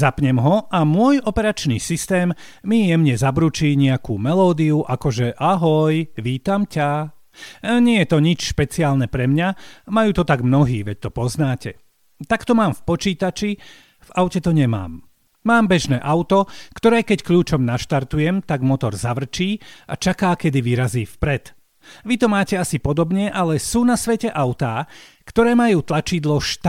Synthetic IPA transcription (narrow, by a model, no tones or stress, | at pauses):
zapɲɛmɦɔʔamʊɔjɔpɛɾat͡ʃniːsist̪ɛːmːijɛmɲɛzabɾut͡ʃiːɲɛakṵːmɛlɔːd̪iuʔakɔʒɛʔaɦɔjʋiːt̪amca | ɲɪɛjɛt̪ɔɲit͡ʃʃpɛt͡siaːlnɛpɾɛmɲamajuːt̪ɔt̪aɡmnɔɦiːʋɛc̚t̪ɔpɔznaːcɛ | t̪akt̪ɔmaːmfpɔt͡ʃiːt̪at͡ʃi | vaʊcɛt̪ɔɲɛma̰ːmː | aːmbɛʒnɛːʔaʊt̪ɔkt̪ɔɾɛːkɛckʎuːt͡ʃɔmnaʃt̪aɾt̪ujɛmt̪aɡmɔt̪ɔɾzaʋr̩t͡ʃiːa̰t͡ʃakaːkɛd̪iʋiɾaziːfpɾɛt̪ | ʋit̪ɔmaːcɛasipɔd̪ɔbɲɛʔalɛsuːnasʋɛcɛʔaʊt̪aː | kt̪ɔɾɛːmajuːt̪lat͡ʃid̪lɔʃt̪